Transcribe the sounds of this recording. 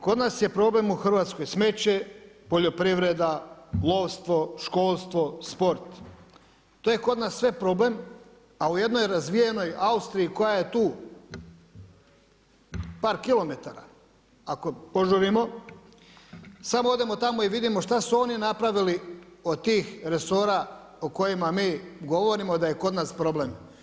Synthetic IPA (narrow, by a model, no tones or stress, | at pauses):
ko̞d̪naːsje̞pɾo̞ble̞muxr̩ʋaːt̪sko̞jsme̞t͡ɕe | po̞ʎo̞pɾiʋɾe̞d̪alˠoʋst̪ʋo̞ʃko̞ːlˠst̪ʋo̞spo̞ɾt̪ | t̪ojeko̞d̪nasːʋe̞pɾo̞ble̞m | auje̞d̪no̞jɾazʋijeno̞jaust̪ɾijːko̞jaje̞t̪uː | paːɾkilˠo̞me̞t̪aɾa̰ | akopo̞ʒuɾimo̞ | samoo̞d̪e̞mo̞t̪amoiʋid̪imo̞ʃt̪asuo̞ːninapɾaʋiliod̪̚t̪iːxɾe̞so̞ɾa | oko̞jimamiːɡo̞ʋo̞ɾimo̞d̪aje̞ko̞d̪naːspɾo̞ble̞m